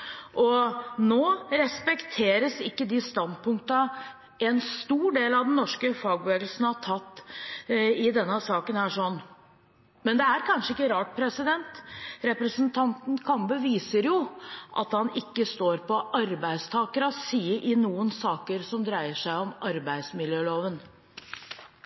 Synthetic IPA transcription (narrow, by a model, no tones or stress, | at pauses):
ʔɔnoːɾɛspɛkt̪ʰeːɾəsɪkːəd̪ɪst̪ɑnd̪̚pʊŋk̚t̪ɑ | ɛnst̪uːɖeːlɑʋd̪ɛnːɔʂkəfɑːɡ̚bʋeːɡl̩sn̩ɑʈʰɑt̪ː | ɪd̪ɛnːəsɑːkənhæːʂɔnː | mɛnd̪ɛæɾkʰɑnʂəɪkːəɾɑːʈ̚pʰɾɛsɪd̪ɛnt̪ɾɛpɾəsənt̪ʰɑnt̪n̩kʰɑmbəʋiːsəɾjʊʔɑ̰t̪hɑnɪkːəst̪oːɾpɔʔɑɾbæɪst̪ʰɑːkəɾɑsiːəɾʔɪnuːənsɑːkəɾsɔmd̪ɾæɪəʂæɪɔmʔɑɾbæɪd̪smɪljøːloːʋən